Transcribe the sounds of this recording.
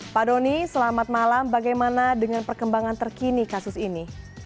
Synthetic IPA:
padonisəlamat̪̚malambaɡajmanadəŋanpərkəmbaŋant̪ərkinikasʊsini

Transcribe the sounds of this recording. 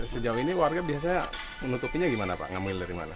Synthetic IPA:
səd͡ʒauiniwarɡabias̬aɲa | mənut̪upiɲaɡimanapa̰ʔŋamɪldaɾima̰na

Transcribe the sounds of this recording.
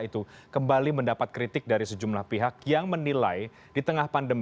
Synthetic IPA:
it̪ukəmbaliməndapat̪̚kɾit̪ɪk̚daɾisəd͡ʒumlahpiɦakjaŋmənilaj | dit̪əŋahpandəm

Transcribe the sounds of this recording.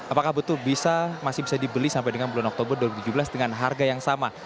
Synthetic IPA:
apakahbət̪ʊlbisamasɪhbisadibəlisampajdəŋanbulanɔk̚t̪obərduwaɾibut̪ud͡ʒubəlasdəŋanɦarɡajaŋsama

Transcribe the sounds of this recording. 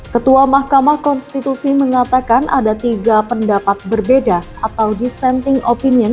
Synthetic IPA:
kət̪uamahkamahkɔnst̪it̪usiməŋat̪akanʔa̰dat̪iɡapəndapat̪̚bərbeda | at̪awdisɛnt̪ɪŋopiniən

